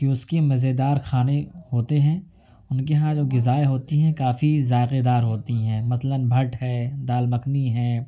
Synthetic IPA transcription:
kiʊskemɐzed̪aːɾxʰaːnehoːt̪eɦɛ̃ː | ʊnkeɦãd͡ʒoːɡɪzaːeɦoːt̪iɦɛ̃kaːfizaːɪqed̪aːɾɦoːt̪iɦɛ̃ːmɐslənbʱɐʈɦɛːd̪aːlmɐkniɦɛ̃ː

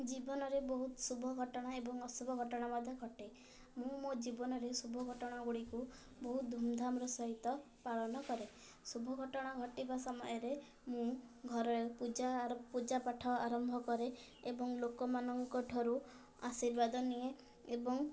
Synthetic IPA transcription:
d͡ʒibɔnɔɾebɔɦut̪subʱɔɡʱɔʈɔɽ̃aebɔŋɔsubʱɔɡʱɔʈɔɽ̃amɔd̪ʱjɔɡʱɔʈe | mũmod͡ʒibɔnɔɾesubʱɔɡʱɔʈɔɽ̃aɡuɽiku | bɔɦut̪̚d̪ʱumd̪ʱamɾɔsɔɦit̪ɔ | paɭɔnɔkɔɾe | subʱɔɡʱɔʈɔɽ̃aɡʱɔʈibasɔmɔ̰jɔɾe | mũɡʱɔɾɔɾepud͡ʒapud͡ʒapaʈʰɔaɾɔmbʱɔkɔɾe | ebɔŋlokɔmanɔŋkɔʈʰɔɾu | a̰siɾbad̪ɔnije | ebɔŋ

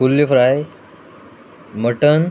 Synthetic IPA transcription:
ulːifɾaj | məʈən

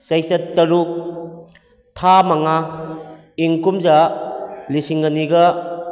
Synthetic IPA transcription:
sɐjsɐttːɐɾuk̚ | tʰamaŋa | iŋkumza | lisiŋɡɐniɡɐ

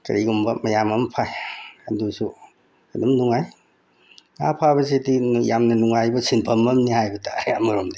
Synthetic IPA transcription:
kɐ̰ɾiɡumbɐmɐjamɐmpʰajɐdusu | ɐdumnuŋaj | ŋa̰pʰabɐs̬edijamnɐnuŋajbɐsinpʰɐmɐmnihajbɐtʰajamɐɾomdi

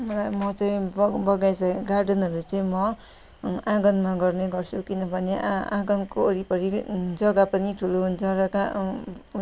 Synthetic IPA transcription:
mʌlajmʌt͡sʌĩbʌɡajt͡sʌeɡarɖʌnɦʌɾut͡sʌĩmʌ | ãɡʌnmaɡʌrneɡʌrt͡sʰukinʌbʱʌneã̰ɡʌnkoːɾipʌɾid͡zʌɡapʌniʈʰuloɦund͡zʰʌɾʌka

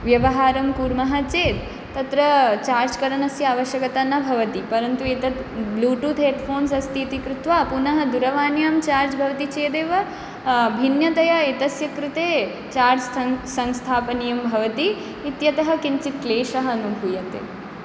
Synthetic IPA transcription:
ʋjɐʋɐɦaːɾɐmkuːɾmɐɦɐt͡ʃeːt̪ | t̪ːɐt̪ɾɐt͡ʃaːɾd͡ʒkɐɾɐnɐsjɐaːʋɐʃjɐkɐt̪anɐbʱɐʋɐt̪ipɐɾɐnt̪uet̪ɐt̪bluːʈuːt̪eːt̪fʰoːnsɐst̪ʰiːt̪ikɾut̪ʋaːpunɐɦɐd̪uɾɐʋaːnjaːmt͡ʃaːɾd͡ʒbʱɐʋɐt̪it͡ʃeːd̪eːʋɐ | bʱinjɐt̪ɐjɐet̪ɐsjɐkɾut̪eː | t͡ʃaːɾd͡ʒsɐŋst̪ʰaːpɐnijɐmbʱɐʋɐt̪iː | t̪jɐt̪ɐɦɐkint͡ʃit̪leːʃɐɦɐːnubʱuːjɐnt̪ḛ

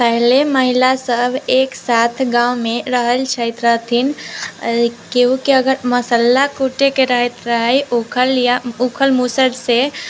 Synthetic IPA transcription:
pəɦleməɦilasəbʱeːksat̪ʰɡãwmeɾəɦəlt͡ʃʰəɪt̪ɾəɦt̪ʰin | koũkiəɡəɾməsəlːakuʈekeɾəɦət̪ɾəɦəjkʰəljaukʰəlmusəɽse

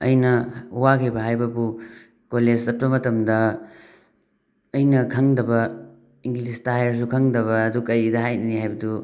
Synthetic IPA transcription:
ɐ̰jnɐwakʰibɐɦajbɐbu | koled͡ʒsɐt̚bɐmɐtɐmdɐ | jnɐkʰɐŋdɐbɐ | iŋɡlistaɦajɐɾs̬ukʰɐŋdɐβɐːdukɐjidɐɦajnɐniɦajbɐdu

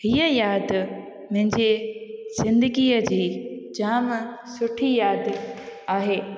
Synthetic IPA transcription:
hiːəjaːd̪ | mɐ̃ɦɪ̃ɲd͡ʑez̥ɪ̃nd̪ɪɡiːəd͡ʑiːd͡ʑaːm | sʊʈʰijaːd̪aːɦeː

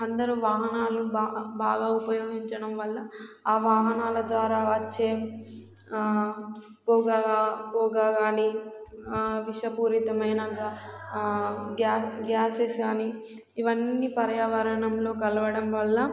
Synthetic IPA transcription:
ɐnd̪ɐɾuʋaːɦɐnaːlubaːɡaːupɐjo̞ːɡiɲt͡ʃɐɽɐmʋɐlːɐaːʋaːɦɐnaːlɐd̪ʋaːɾaːʋɐt͡ʃt͡ʃːeː | pɔːɡaɡapɔːɡaːɡaːni | ʋiʃɐpuːɾit̪ɐmɐjnɐɡ | ɡaːɡaːsesɡaːni | iʋɐnːipɐɾɐjaːʋɐɾɐɳɐmlo̞ːkɐlɐʋɐɽɐmʋɐlːɐ

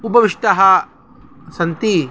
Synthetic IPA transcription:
upɐʋiʂʈ̪ɐɦɐ | sɐnt̪i

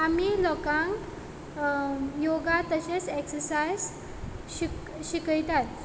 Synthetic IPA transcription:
amilɔkãŋk | joɡat̪əɕeseksəɾsajz | i | ɕikəjt̪at̪̚

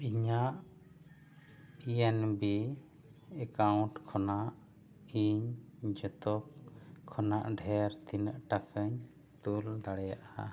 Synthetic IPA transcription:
iɲaʔ | piɛnbi | ɛkaw̃ɳʈkʰɔnaʔ | iɲd͡ʒɔt̪ɔkʰːɔnaʔɖʱɛɾt̪inəʔʈakʰəɲt̪uld̪aɽɛjaʔa

